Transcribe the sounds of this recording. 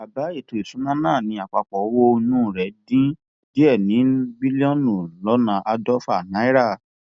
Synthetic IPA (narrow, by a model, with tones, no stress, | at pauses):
a˨ba˨˦e˦˨to˨i˨sũ˨˦nã˦nãː˦˨nĩ˧a˨k͡pa˨k͡pɔ˨˦wo˦˧˦nũ˦˨ɾɛ˨˦dĩ˦ | d̥i˦ɛ˦˨nĩ˨˦bi˦li˦ɔ̃˦nũ˨lɔ˦nã˧ʔa˧dɔ˦fa˨nã˨˦i˦ɾa˦˨